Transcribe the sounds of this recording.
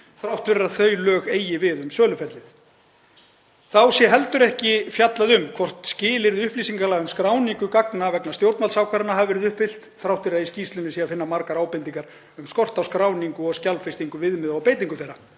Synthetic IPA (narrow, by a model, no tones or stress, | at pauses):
θɾawht̪vɪrːaθœɥlœːɣeːjɪvɪðʏmsœːlʏfɛɾt̪lɪθ | θawsjɛɦɛlt̪ʏɾɛhcɪfjat̪laðʏmkʰvɔr̥t̪scɪːlɪɾðɪʏhpliːsiŋkalaɣʏmskɾaːwniŋkʏkaknavɛknast̪jowɾt̪nmalsawkʰvaɾɪnaɦavvɛɾɪðʏht̪fɪl̥t̪θɾawht̪vɪɾaðisciːst̪lʏnɪsiafɪnːamaɾkaɾaːwpɛnt̪iŋkaɾ̥ | ʏmskɔr̥t̪awskɾaːwniŋkʏɔɣscalfɪst̪iŋkʏvɪðmɪðɔɣpeːjt̪iŋkʏθejrɾːa